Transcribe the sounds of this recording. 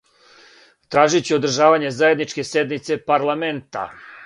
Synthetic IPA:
t̪ɾaːʒit͡ɕio̞d̪r̩ʒaːʋaɲe̞zaje̞d̪nit͡ʃke̞sje̞d̪nit̪se̞paɾlˠament̪a̰

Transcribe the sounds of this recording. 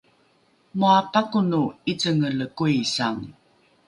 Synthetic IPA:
muapakunuit͡səŋələkuisaŋ

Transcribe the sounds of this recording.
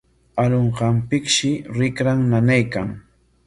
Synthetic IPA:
aloɴqɑmpɪkʃɪɾɪkɾaŋnanajkaŋ

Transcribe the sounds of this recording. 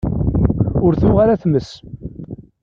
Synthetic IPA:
ʊɾθʊʁaɾæθməs

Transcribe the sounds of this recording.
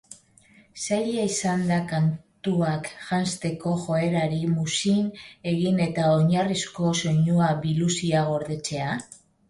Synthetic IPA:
saʎaisand̪akant̪uakʝanst̪e̞ko̞ʝo̞e̞ɾaɾimusine̞ɣine̞t̪aoɲarisko̞so̞ɲuaβilusiaɣ̞o̞ɾðe̞t͡se̞a

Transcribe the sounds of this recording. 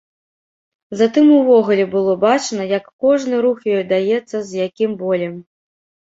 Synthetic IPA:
zat̪ɨmuvɔɣulʲɛbɨlˠɔbat͡ʂnɐjɐkːɔʐnɨɾuxjɔjd̪ajɛt̪sːɐzʲjakʲimbɔlʲɛm

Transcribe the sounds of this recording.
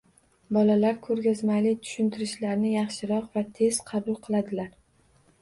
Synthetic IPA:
bɒlalaɾkʰɵɾɡʲazmalɪt̪ʰʊ̥ʃʊnt̪ʰɪɾɪʃlaɾnɪjɑχʃɪɾɒqvat̪ʰe̞z̥qʰɑbʊlˠqʰɨlˠad̪ɪlaɾ

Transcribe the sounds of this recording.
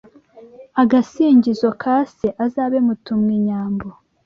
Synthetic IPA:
aɡasiːɲɟizo̞kʰaseʔazaːβemutumŋiɲaːmbo

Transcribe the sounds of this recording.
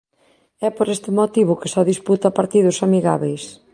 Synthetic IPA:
ɛpoɾest̪ɪmot̪iβ̞ʊkɪsɔðisput̪ɐpaɾt̪iðʊsamiɣaβejs

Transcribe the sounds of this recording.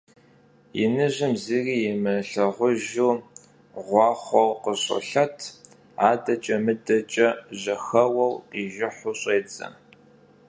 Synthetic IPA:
jɪ̰nɨʑɪmziːriːjɛmɨɬɐʁʷʊʒuː | ʁʷɑːχʷɔwqəɕʼʊ̰ɬɐtʰ | aːdɐt͡ʃʼɐmɨdɐt͡ʃʼɐʑɐxɐwɐwiːʒɪħʷʊɕʼeːt͡sʼɐ̰n

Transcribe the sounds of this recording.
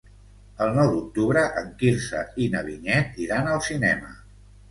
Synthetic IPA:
əlˠnɔwd̪uk̚t̪uβɾəʔəŋkiɾsə̰inəβiɲɛt̪iɾanəlˠsinɛmə

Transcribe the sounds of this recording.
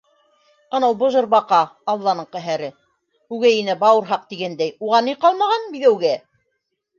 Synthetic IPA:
ɑ̆nɑlˠbŏʒɤ̆ɾbɑqɑːlˠːɑnɤɴqæɦæɾɘ | hʉɡæjinæbɑwɤ̆ɾɦɑq̚t̪iɡænd̪æjuʁɑnːiqɑlˠmɑʁɑnbiðæwɡæ

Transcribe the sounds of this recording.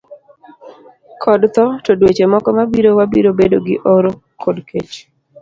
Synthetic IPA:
kʰɔdt̪ɔtodwet͡ʃemɔkɔmabiɾowabiɾobedoɡɪʔoɾo | kʰodkʰet͡ʃ

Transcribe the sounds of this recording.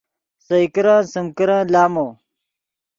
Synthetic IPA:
sɐikiɾãːsɐmkiɾãːlaːmoː

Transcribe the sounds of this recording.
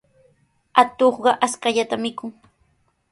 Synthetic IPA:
at̪oχɢɑʔaskaʎat̪amɪkʊŋ

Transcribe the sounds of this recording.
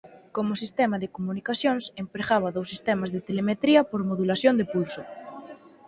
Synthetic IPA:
komʊsist̪ɛmaðekomunikasjoŋsempɾeɣaβɐðowsist̪ɛmazðet̪elemet̪ɾiɐpoɾmoðulaθjond̪epulso

